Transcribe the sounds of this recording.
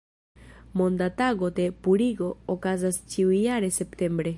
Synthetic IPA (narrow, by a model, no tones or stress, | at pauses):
mõnd̪at̪aɣot̪epuɾiɡoːkazast͡ʃiwiaɾesept̪embɾe